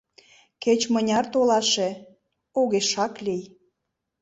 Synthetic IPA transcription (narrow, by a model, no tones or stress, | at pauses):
ket͡ɕmənʲɑrt̪olɑʃe | oɣeʃɑklij